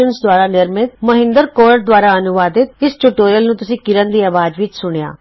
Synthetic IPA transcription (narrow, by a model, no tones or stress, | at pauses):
ənsd̪waːɾanɪɾmɪt̪məɦɪ̃nd̪əɾkoːɾʈ̚d̪waːɾaɐnʊʋaːd̪ɪt̪̚ɪsʈuʈoːɾijəlnũːt̪ʊsĩːkɪɾənd̪iːɐʋaːd͡ʒʋɪt͡ʃsʊɽ̃ja̰ː